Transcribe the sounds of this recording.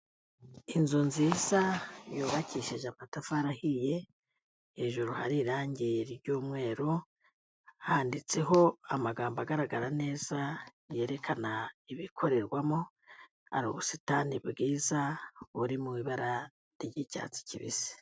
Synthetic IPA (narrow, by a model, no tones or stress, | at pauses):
inzunziːzajoːβaciʃiʒamatafaɾahije̞ | heːʒuɾuha̰ɾiɾaːɲɟiɾiɾɟuːmŋwe̞ːɾo | ahaːndit͡se̞ɦo̞amaɡaːmbaɡaɾaɡaɾane̞ːz̥a | je̞ɾe̞kʰanaiβikʰo̞ɾe̞ɾɡwamo | a̰ɾṵːβusi̥tanibɡiːzauɾimuiβaɾa | ɾɟica̰t͡si̥ciβḭsi̥